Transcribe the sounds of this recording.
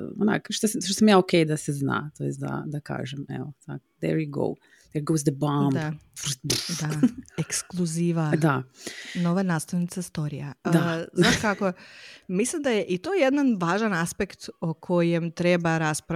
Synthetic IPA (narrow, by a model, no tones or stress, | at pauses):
o̰na̰kʃt̪osaʃt̪osamjaːokejd̪asezna̰ːt̪ojest̪d̪a̰d̪aka̰ːʒemɛ̰ʋot̪a̰ko̥d̪ɛɾjuɡo̰w | d̪ɛɾɡowzd̪əbamd̪afɾbd̪aeksklˠuziːʋad̪ano̞ʋanaːst̪aʋnit̪sast̪o̞ɾijad̪aznaʃkakomislimd̪ajeʔit̪oːjed̪nanʋaːʒanaspe̞kt̪okʰo̞je̞mt̪ɾe̞baɾaspɾa